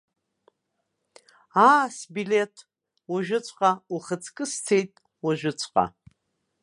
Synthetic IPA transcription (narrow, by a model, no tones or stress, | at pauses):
aːsbiletʰ | wuʒᶣʷʊt͡ɕʷʼqʼauχət͡sʰkʼɨst͡sʰejtʼ | waʒᶣʷɪt͡ɕʷʰʼqʼa̰